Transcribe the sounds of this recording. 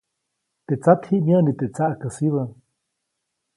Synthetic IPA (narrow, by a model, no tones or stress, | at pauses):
t̪eʔt͡sat̪hiʔmjənit̪et͡saʔkəsiβə